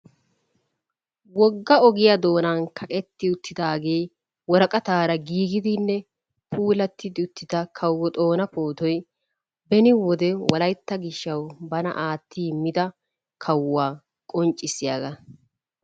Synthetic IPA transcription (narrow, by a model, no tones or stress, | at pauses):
wɔɡːɐɔɡɪjɐd̪o̞ːnankʰɐkʼɛt̪ːɪʊt̪ʰːɪd̪aːɡe̞ː | wɔɾɐkʼɐt̪aːɾɐɡiːɡɪd̪ɪnːɛ | pʰuːlɐt̪ːɪd̪ɪʊt̪ːɪd̪ɐkʰɐwːɔt̪ʼo̞ːnɐpo̞ːt̪ɔj | bɛnɪwɔd̪ɛwɔlɐjt̪ːɐɡɪʃːɐwbɐnɐ̰ʔaːt̪ʰːiːmɪd̪ɐ | kʰɐwːaː | kʼɔnt͡ʃʼːɪsːɪjaːɡɐ